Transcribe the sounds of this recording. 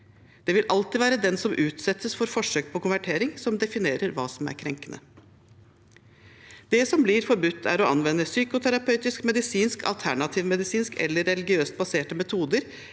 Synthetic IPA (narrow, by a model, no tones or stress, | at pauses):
d̪̥ɛʋɪlʔɑlt̪iʋæːɾəd̪ɛnsɔmʔʉːt̪sɛt̪ʰːəsfɔɾfɔʂøːk̚pʰɔkʊnʋæʈʰeːɾɪŋsɔmd̪ɛfɪneːɾəɾʋɑ̰ːsɔmæ̰ɾkʰɾɛŋkənʔə̰ | d̪̥ɛsɔmblɪɾfɔɾbʉt̪ʰːæ̰ɾɔʔɑnʋɛnːəsyːkʊt̪ʰæɾɑpʰœʉt̪ɪskmɛd̪ɪsiːnskʰɑ̰lt̪ʰæɳɑt̪ʰiːʋmɛd̪ɪsiːnskʰɛ̰lːəɾɛlɪɡɪøːst̪̚bɑseːʈəmɛt̪ʰuːd̪əɾ